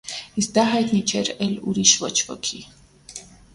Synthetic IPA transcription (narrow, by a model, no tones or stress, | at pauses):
is̚d̪aɦajt̪nit͡ʃʰɛɾɛluɾiʃvɔt͡ʃʰvɔ̰kʰi